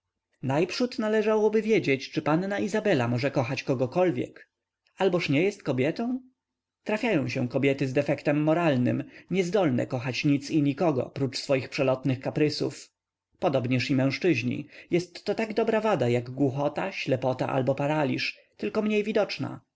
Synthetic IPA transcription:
najpʂut̪nalɛʐawɔbɘvʲjed͡ʑet͡ɕt͡ʂɘpannaʔizabɛlamɔʐɛkɔxat͡ɕkɔɡɔkɔlvʲjɛ̰k | albɔʂɲɛjɛst̪̚kɔbʲjɛt̪ɔ̃w̃ | t̪ɾafʲjajɔ̃w̃ɕɛ̃kɔbʲjɛt̪ɘzd̪ɛfɛkt̪ɛmːɔɾalnɘ̰mɲɛzd̪ɔlnɛ̰kɔxat͡ɕɲit̪siɲikɔɡɔ̰pɾut͡ʂsfɔjixpʂɛlɔt̪nɘxkapɾɘsṵf | pɔd̪ɔbɲɛʂimɛ̃ʂt͡ʂɘʑɲḭjɛst̪ːɔt̪aɡd̪ɔbɾavad̪ajaɡɡwuxɔt̪aɕlɛpɔt̪a̰ʔa̰lbɔpaɾalʲḭʂ | t̪ɘlkɔmɲejvʲid̪ɔt͡ʂna̰

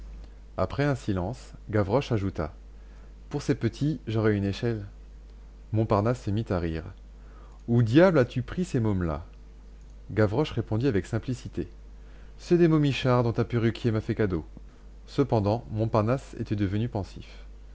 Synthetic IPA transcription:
apχɛɛ̃silɑ̃s | ɡavʁɔʃaʒut̪a̰ | puʁsepət̪ʰiʒɔʁɛyneʃɛl | mɔ̃paʁnasːəmit̪aʁiːʁ | ud̪jablat̪ypχisemɔmla̰ | ɡavʁɔʃʁepɔ̃d̪iavɛksɛ̃plisit̪e | sɛd̪emomiʃaʁd̪ɔ̃t̪apyʁykʲʰjemafɛkad̪o | səpɑ̃d̪ɑ̃mɔ̃paʁnasḛt̪ɛd̪əvənypɑ̃sḭf

